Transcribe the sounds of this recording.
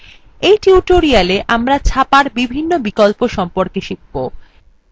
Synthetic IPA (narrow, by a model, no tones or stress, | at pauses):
ejʈiuʈoɾialeʔamɾat͡ɕʰapaɾbibʱinːobikɔlpoʃɔmpoɾkeʃibːo